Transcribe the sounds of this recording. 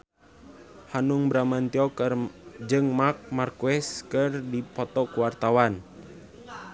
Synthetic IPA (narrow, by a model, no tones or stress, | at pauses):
hanuŋbɾamant̪iɔkrd͡ʒɨŋmak̚markuɛskərdipɔt̪ɔkuwart̪awan